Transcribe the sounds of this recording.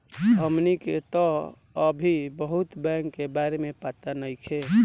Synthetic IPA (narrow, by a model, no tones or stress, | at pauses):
ɦəmniket̪ɔ | əbʱibəɦut̪bɛŋkːebaɾemepat̪anəikʰe